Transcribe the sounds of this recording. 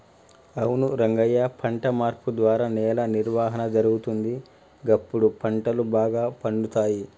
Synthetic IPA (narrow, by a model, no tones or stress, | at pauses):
ɐwunuɾɐŋɡɐjːaːpʰɐɳʈɐmaːɾpud̪ʋaːɾaːnɛːlɐniɾʋaːɦɐnɐd͡ʒɐɾuɡut̪und̪i | ɡɐpːuɽupʰɐɳʈɐlubaːɡaːpɐɳɖut̪aːji